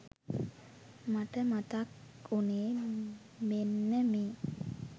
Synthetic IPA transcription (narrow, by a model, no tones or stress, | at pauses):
maʈəmat̪ak | uneː | menːəmeː